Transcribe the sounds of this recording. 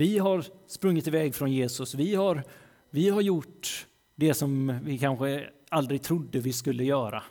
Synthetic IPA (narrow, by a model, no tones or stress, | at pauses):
vɪɦaɾspɾɵŋːɪt̪ɪvɛːɡfɾɔnjeːsɵsvɪhaɾ | vɪɦaɾjʊʈː | d̪ɛsɔmvɪkʰanɧə | ald̪ɾɪɡ̚t̪ʰɾʊd̪ːəvɪskɵlːəjœːɾa̰